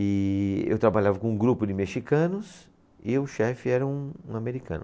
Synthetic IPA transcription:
ɪḛwt̪ɾabaʎavɐkõũɡɾupʊdɪmeʃikɐ̃nʊs | ɪʊʃɛfɪɛɾɐ̃ũũameɾikɐ̰̃nʊ

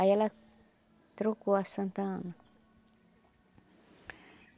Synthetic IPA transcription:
ajala | t̪ɾukuasãnt̪ãna

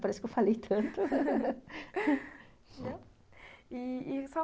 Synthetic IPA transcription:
paɾɛsʊ̥kewfalejt̪ʰɐ̃nt̪ʊ | ɛ | iisa

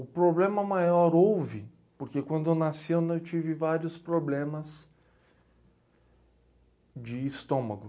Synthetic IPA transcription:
ʊpɾoblẽmɐmajɔɾowvɪ | poɾkekwɐ̃nd̪ʊewnasiõñewt͡ʃivɪvaɾjʊspɾoblẽmɐs | d͡ʒɪːst̪õmɐɡʊ

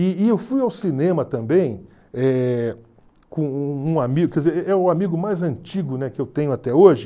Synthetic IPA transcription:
ɪːewfujawsinẽmɐt̪ɐ̃mbẽj̃ | ɛ | kõũamiɡʊkɛdzeɾɛʔɛʊamiɡʊmajzɐ̃nt͡ʃiɡʊnɛkɪewt̪ẽɲʊat̪ɛoʒɪ

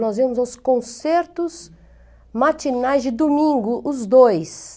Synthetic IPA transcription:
nɔzvẽmʊzɔskõseɾt̪ʊz | mat͡ʃinajzd͡ʒɪd̪omĩŋɡʊʔʊzd̪ojs

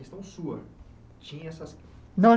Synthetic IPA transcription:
est̪ɐ̃w̃suɐ̰ | t͡ʃĩɲɐ̃ɛsɐs | nɐ̃

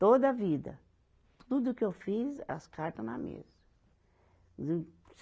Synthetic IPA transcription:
t̪od̪ɐvid̪ɐ̰ | t̪ʰud̪ʊʊkɪewfizɐ̰skʰaɾt̪ɐnɐ̰mḛzɐ | s

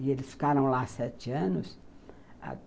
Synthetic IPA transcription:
ɪelɪsfi̥kaɾɐ̃w̃lasɛt͡ʃɪɐ̃nʊs | a̰

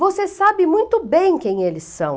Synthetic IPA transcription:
vosesabɪmũj̃t̪ʊbẽj̃kẽj̃elɪsːɐ̃w̃

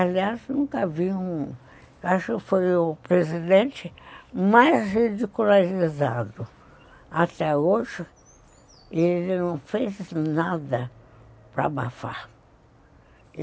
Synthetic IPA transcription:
aliaznũkɐaviũ | waʃʊkɪfojʊpɾezid̪ẽnt͡ʃɪmajzhid͡ʒikulaʒizad̪ʊ | at̪ɛoʒɪ | ɪelɪnɐ̃w̃feznad̪ɐpɾɐ̰ba̰fa̰

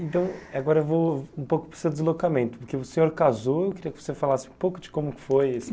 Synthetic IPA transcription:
ẽnt̪ɐ̃w̃aɡɔɾɐewvoũpowkʊ̥pɾsewd̪ɪzlokamẽnt̪ʊ̥poɾkeʊsẽɲoɾkazoewkɪɾiɐkɪ̥vo̥sefalasɪũpowkʊd͡ʒɪ̥kõmʊkɪ̥fojesɪ

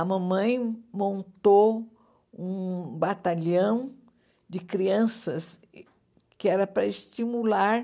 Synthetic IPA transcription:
ɐmɐ̃mɐ̃j̃mõnt̪o | ũbat̪aʎɐ̃w̃ | d͡ʒɪkɾiɐ̃sɐs | kɪɛɾɐpɾɐɪst͡ʃimulaɾ

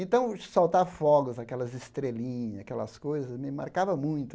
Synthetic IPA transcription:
ẽnt̪ɐ̃w̃sawt̪aɾfɔɡʊzakɛlɐzɪst̪ɾelĩɲakɛlɐ̰skojzɐsmɪma̰ɾkavɐmũj̃t̪ʊ

